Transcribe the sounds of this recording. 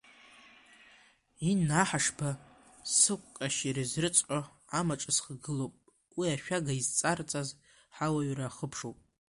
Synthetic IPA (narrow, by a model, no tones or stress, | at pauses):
inaħaʂba | sɨkʷʼkʼaʃiɾɨzrɨt͡sʼħʷʼa | amaʈ͡ʂʼasχɡɨlowpʼ | wiaʃᶣaɡaizt͡sʼart͡sʼaz | ħawaɥraːχəpʰʂowpʼ